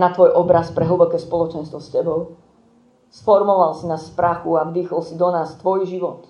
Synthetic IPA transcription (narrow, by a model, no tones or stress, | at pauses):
nat̪ʋɔjʔɔbɾaspɾɛɦl̩ˠbɔkɛːspɔlɔt͡ʃɛnst̪ʋɔscɛbɔʊ | sfɔɾmɔʋalsinaːsspɾaxuaʋiːxɔlsid̪ɔnaːst̪ʋɔjʒiʋɔt̪